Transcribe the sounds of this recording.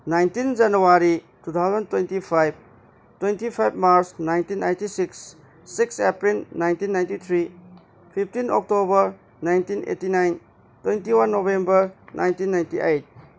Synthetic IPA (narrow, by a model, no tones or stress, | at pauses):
najntind͡ʒanuaɾi | tut̪ʰawzɐntwentipʰajb̚ | twentipʰajb̚maɾsnajntinːajntisiksː | iksepɾilnajntinːajntit̪ʰɾi | pʰip̚ʰtinɔ̰k̚tobəɾ | najntinʔḛtinajn | twejntiwanːobembəɾnʔa̰jntinːajntiʔejt̚